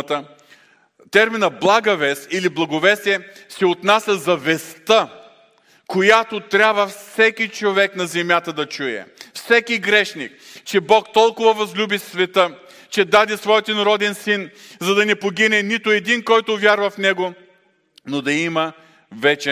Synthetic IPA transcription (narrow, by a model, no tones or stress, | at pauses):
t̪ə | t̪ɛɾminəblˠaɡəvɛst̪iliblˠɐɡovɛsiɛsɛot̪nasʲɐzɐvɛst̪ə | kojat̪ot̪ɾʲabvəfsɛkʲit͡ʃovɛknɐzɛmjat̪əd̪ɐt͡ʃujɛ̰fsɛkiɡɾɛʃnḭk̚t͡ʃɛbɔkt̪ɔlˠkʊvɐvɐzlʲubisvɛt̪ə | t͡ʃɛd̪ad̪isvɔjɛt̪inɐɾɔd̪ɛnsinzɐd̪ɐnɛpoɡʲinɛnit̪ʊɛd̪inkɔjt̪ʊvʲjaɾvɐfnɛɡo | nod̪ɐimɐ | vɛt͡ʃɛ